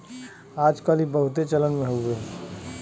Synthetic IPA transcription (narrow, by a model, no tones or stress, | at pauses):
aːd͡ʒkəlibəɦʊt̪et͡ʃələnmẽɦoeː